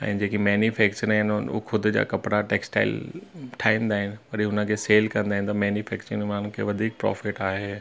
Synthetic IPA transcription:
ɛ̰̃ːd͡ʑeːkimɛːnjufɛːk̚t͡ɕəɾɦɪnʊ̰xʰʊd̪ʱʊ̆d͡ʑa̰ːkɐpɽaʈeːksʈa̰ːɪlʈʰaːɦĩnd̪aːɦɪnɪ̆pɐɾiɦʊnə̆kʰeːseːlkɐ̃nd̪aːɦɪ̃nɪt̪ɐmɛːnjufɛːkt͡ɕəɾmaːn̤ʊ̃kʰḛːʋɐd̪ʱiːk̚pɾɔ̰ːfɪʈaːɦeː

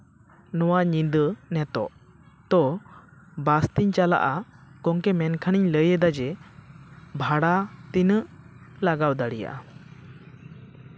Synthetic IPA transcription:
nɔwaɲind̪ənɛt̪ɔ̰ʔ | t̪ɔ | bast̪iɲt͡ʃala̰ʔakɔŋkɛmɛnkʰaniɲləjɛd̪ad͡ʒɛ | bʱaɽat̪inəʔ | laɡawd̪aɽija̰ʔa̰

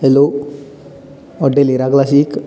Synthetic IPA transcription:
elo | ɔɖeliɾaklasik

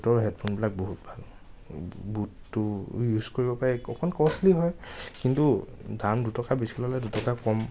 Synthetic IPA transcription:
tɔɹɦɛdpʰonbilak̚boɦut̚bʱal | butːʊjuzkoɹibɔpaɹɛɔkʰɔnkɔsliɦɔjkintudandutɔkabisilɔlajdutɔkakɔm

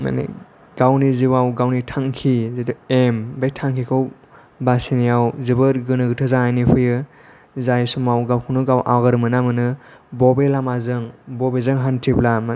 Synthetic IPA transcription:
ma̰nḭ | ɡ̥awniziwawɡawnitʰaŋkʰizetuembejtʰaŋkʰikʰɯw | basinijawzɯbɯɾɡɯnɯɡɯtʰɯzaŋajnipʰɯjɯ | zajsumawɡawkʰɯwnɯɡawʔa̰wɡaɾɯmɯnamɯnɯbɔbelamazɯŋbɔbezɯŋɦantʰiplam

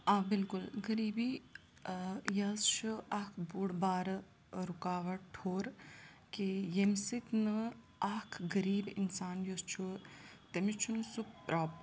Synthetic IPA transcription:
aːbɪlkʊlɡɐɾiːbi | jɐst͡ʃʰuakʰbuɽbaːɾ | ɾukaːʋɐʈʰoːɾ | kijemsit̪nɨ | ɐkʰɡɐɾiːbḭnsaːnjost͡ʃʰut̪emit͡ʃʰunsuk̚pɾaːp

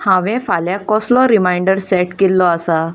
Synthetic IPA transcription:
hãʋɛ̃faljakɔslɔɾimajɳɖəɾsɛʈkelːɔasa

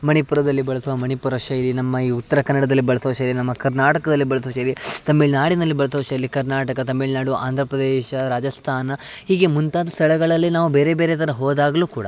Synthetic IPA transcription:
mɐɳipuɾɐd̪ɐlːibɐɭɐsuʋɐmɐɳipuɾɐʃɐjilinɐmːɐiːut̪ːɐɾɐkɐnːɐɽɐd̪ɐlːibɐɭɐsoʃɐilinɐmːɐkɐɾnaːʈɐkɐd̪ɐlːibɐɭɐs̬oːʃɐilit̪ɐmːiɭnaːɽinɐlːibɐɭɐsoːʃɐjɐlːikɐɾnaːʈɐkɐt̪ɐmːiɭnaːɽuʋɐʔaːnd̪ʱɾɐpɾɐd̪eːʃɐɾaːd͡ʒɐst̪ʰaːnɐhiːɡemunt̪aːd̪ust̪ʰɐɭɐɡɐɭɐlːinaːʋubeːɾe̞be̞ːɾet̪ɐɾɐɦoːd̪aːɡɐluːkuːɽɐ̰

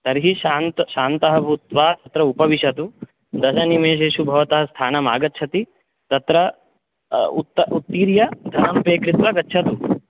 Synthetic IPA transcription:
t̪ɐɾɦiʃaːnt̪ʃaːnt̪ɐɦɐbʱut̪ʋaːt̪ɐt̪ɾɐupɐʋiʃɐt̪u | d̪ɐʃɐnimeːʃ̬eːʃubʱɐʋɐt̪ɐɦɐst̪ʰaːnɐma̰ːɡɐtːt͡ʃʰɐt̪i | t̪ɐt̪ɾɐ | ut̪ːɐut̪ːiːɾjɐd̪ʱɐnɐmpɾeːkɾit̪ʋɐɡɐtːt͡ʃʰɐt̪u

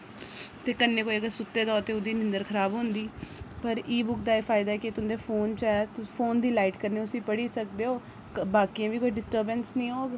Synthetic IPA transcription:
t̪eːkənːeːkoːiəɡəɾsʊt̪ːeːd̪ɔːt̪eːʊd̪iːnɪ̃nd̪əɾkʰəɾaːbɦõːnd̪iːpəɾiːbʊk̚d̪aːefʰaːɪd̪aɛːkɪt̪ʊ̃nd̪eːfʰoːnt͡ʃɛːt̪pʰoːnd̪iːlaːɪʈkəɾneːʊsĩːpəɽiːsək̚d̪eːɦoː | baːkijãːʋiːkoːiːɖɪsʈəɾbənsnĩːoːɡ

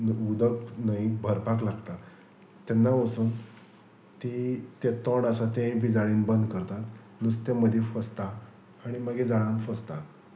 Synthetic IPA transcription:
ud̪əknaibʱəɾpaklaɡt̪a | t̪ːenːaʋəsuːn | t̪it̪et̪əɳasat̪ẽĩbʱid͡zaɭiːnbənd̪kəɾt̪at̪ | nust̪eməd̪ʱefəst̪aː | ɽ̃iməɡed͡zaɽ̃ãnt̪fəst̪a

